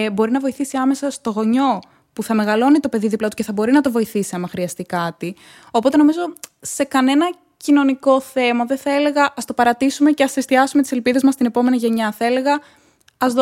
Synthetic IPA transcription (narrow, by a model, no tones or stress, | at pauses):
bo̞ɾinɐvo̞iθisiɐme̞sɐst̪o̞ɣo̞ɲo̞ | puθɐme̞ɣɐlo̞nit̪o̞pe̞ðiðiplɐt̪uceθɐbo̞ɾinɐt̪o̞vo̞iθisiɐmɐxɾiɐst̪ikɐt̪i | o̞po̞t̪eno̞mizo̞se̞kɐne̞nɐ | cino̞niko̞θe̞mɐðeθɐe̞le̞ɣɐʔɐst̪opɐɾɐt̪isume̞ceɐsest̪iɐsume̞t̪i̥se̞lpiðe̞zmɐst̪ine̞po̞me̞niʝe̞ɲɐθɐele̞ɣɐ | ɐzð